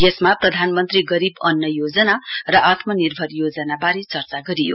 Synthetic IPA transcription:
jesmaprʌd̪ʱanmʌnt̪riɡʌɾibʌnːʌjod͡zʌnarʌʔat̪ʰmʌnirbʱʌrjod͡zʌnabaɾet͡sʌrt͡saɡʌɾijo̰

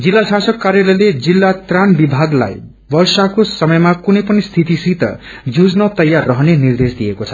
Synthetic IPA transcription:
d͡zilːasasʌkːarjʌlʌjled͡zilːat̪ranbibʱaɡla̰j | bʌrsakosʌmʌjmakunʌjpʌnist̪ʰit̪isit̪ʌ̰ | d͡zud͡znʌt̪ʌjːarːʌɦʌnenird̪esd̪ijekot͡sʰʌ̥

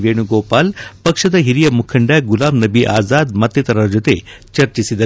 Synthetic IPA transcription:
ʋeːɳ̃uɡoːpaːlpɐkʂɐd̪ɐɦiɾijɐmukʰɐɳɖaːɡulaːmnɐbiʔa̰ːzaːd̪mɐt̪jɐt̪ɐɾɐɾd͡ʒot̪ḛ | t͡ʃɐɾt͡ʃisid̪ɐ

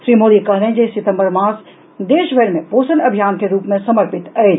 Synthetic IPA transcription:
ʃɾiːmoːd̪ikɐɦɾẽd͡ʒesɪt̪ə̃mbəɾmãːs | d̪eːʃbʱəɾmẽpoːsəlɐbʱijaːnkeɾuːpmẽsɐməɾpɪt̪ɐed͡ʒ

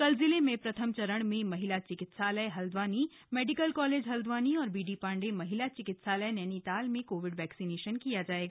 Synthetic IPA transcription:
kɐlzɪlemẽpɾɐt̪ʰəmt͡ʃɐɾəɽ̃mẽmɐɦɪlat͡ʃɪkɪt̪saːləjɦɐld̪ʋaːni | mɛːɖɪkəlkɔːleːd͡ʒɦɐld̪ʋaːniɔːɾbiːɖipãːɳɖemɐɦɪlat͡ʃɪkɪt̪saːləenɛːnit̪aːlmẽkoːʋɪɖʋɛːksineːʃənkijad͡ʒaːeːɡaː

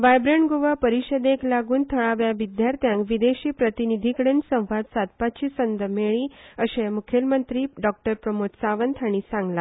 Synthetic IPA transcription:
ʋajbɾeɳɖɡuʋapəɾiɕəd̪eklaɡuːnt̪ʰəɭaʋjaʋid̪jaɾt̪ʰjãŋkʋid̪eɕiːpɾət̪inid̪ʱikɽənsə̃w̃ʋad̪sat̪̚pat͡ɕiːsənd̪əmeɭiːəɕẽmukʰelmənt̪ɾiːɖɔk̚ʈəɾpɾəmot̪saʋənt̪ʰaɽ̃isãŋɡla

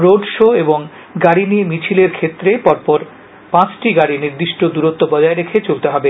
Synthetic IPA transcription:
ɾoɖʃoeboŋ | ɡaɽinijemit͡ɕʰileɾkʰet̪ːɾepɔɾpɔɾ | pãt͡ɕʈiɡaɽiniɾd̪iʃʈod̪uɾot̪ːobɔd͡ʑaeɾekʰet͡ɕolt̪eɦɔbe

